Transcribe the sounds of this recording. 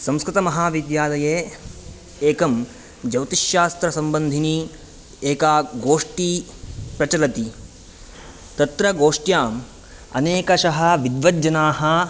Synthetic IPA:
sɐ̃mskɾit̪ɐmɐɦaːʋid̪jaːlɐjeː | eːkɐm | d͡ʒɐwt̪iʃjaːst̪ɾɐsɐmbɐnd̪ʱini | eːkaːɡoːʂʈi | pɾɐt͡ʃɐlɐt̪i | t̪ɐt̪ɾɐɡoːʂʈjaːm | ɐ̰neːkɐʃɐɦɐ̆ʋid̪ʋɐd͡ʒɐnaːɦɐ̆

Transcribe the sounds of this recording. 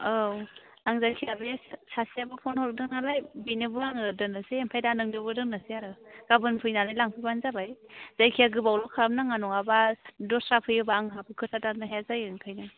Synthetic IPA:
aw | aŋzajkʰiabesasiabɯpʰɔnhɔɾk̚dɯŋnalajbinɯbɯaŋɯdɯnaseːmpʰajdanɯŋnɯbɯdɯnasiaɾɯɡ̥abɯnpʰɯjnalajlaŋpʰɯjbanzabajz̥ajkʰijaɡɯbawlɔkʰam̚naŋanɔŋabadɔsɾapʰɯjɯbaːŋɦapʰɯkʰɯtʰatanɯɦeazajɯŋkʰajnɯ

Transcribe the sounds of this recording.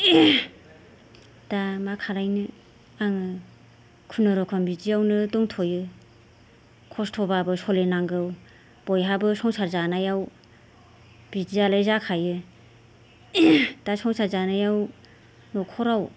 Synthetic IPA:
d̥amakʰaɾajnɯ | aŋɯ | kʰunɯɾɔkʰambid͡ʒiawnɯdɔŋtʰɔjɯ | kʰɔstʰɔbabɯsɔlenaŋɡɯw | b̥ɔjɦabɯsɔŋsaɾzanajaw | b̥id͡ʒialajzakʰajɯ | d̥asɔŋsaɾzanajaw | nɔkʰɔɾaw

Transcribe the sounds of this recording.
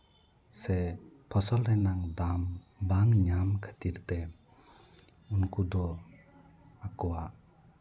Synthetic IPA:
sɛpʰɔsɔlɾɛnaŋd̪am | baŋɲamkʰə̥t̪iɾt̪ɛ | unkud̪ɔ | akɔwaʔ

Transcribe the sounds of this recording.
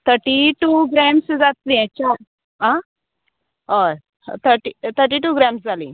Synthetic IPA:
t̪ʰəɾʈiʈuɡɾæmsd͡zat̪lĩɛ̃t͡ɕa | ɦã | əɾ | t̪ʰəɾʈit̪ʰəɾʈ̬iʈuːɡɾɛ̃msd͡zʱalĩ

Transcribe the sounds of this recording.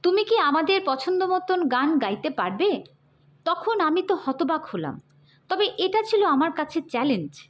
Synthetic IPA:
t̪umikiamad̪eɾpɔt͡ɕʰond̪omɔt̪onɡanɡajt̪epaɾbe | t̪ɔkʰonamit̪ohɔt̪obakʰola̰m | t̪ɔbeʔeʈat͡ɕʰiloamaɾkat͡ɕʰet͡ɕɛlend͡ʑ

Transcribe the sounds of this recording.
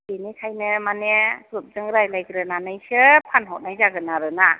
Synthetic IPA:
kenikʰajnɯmanekɾup̚zɯŋɾajlajɡɾɯnanɯjsɯpʰanɦɔt̚najzaɡɯnaɾɯna

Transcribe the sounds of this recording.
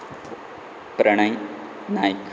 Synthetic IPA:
pɾɐɳɐj | naːjk

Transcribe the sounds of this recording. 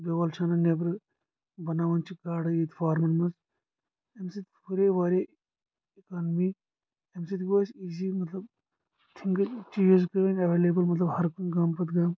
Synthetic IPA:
beʋɐːlt͡ʃʰaːnɐnebɾ | bɐnaːʋɐnt͡ʃʰiɡaːɽɨiːt̪faːɾmɐnmɐs | emsit̪pʰuɾeʋaːɾʲe | ikaːnmi | emsit̪ɡoːsiːsimɐt̪lɐb | t̪ʰiŋɡt͡ʃiːd͡ʒizkeʋɐnʲɐʋeːleːbɐlmɐt̪lɐbhɐɾkɡaːmpɐt̪ɡaːm

